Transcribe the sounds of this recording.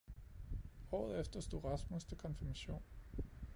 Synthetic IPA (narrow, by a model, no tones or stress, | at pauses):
hɒ̰ːð̞̩ˠefd̥ɐsd̥o̝ʁɑ̈smust͡sʰe̝lkʰɒ̽nfiɐmæɕo̝̰ːn